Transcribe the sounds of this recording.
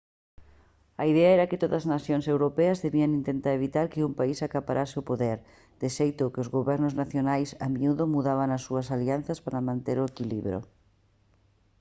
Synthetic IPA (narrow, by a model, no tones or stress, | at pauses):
ɐiðɛɐɛɾɐkɪt̪oðɐznaθjoŋsewɾopɛɐzðeβiɐŋint̪ent̪aɾeβit̪aɾkɪumpaisakapaɾʔasɪopoðɛɾ | d̪̥ɪʃejt̪ʊkɪozɣoβɛɾnʊznaθjonajsamiuðʊmuðaβaŋɐsːuɐsalian̟θɐspaɾɐmãnt̪eɾoekilḭβɾo̰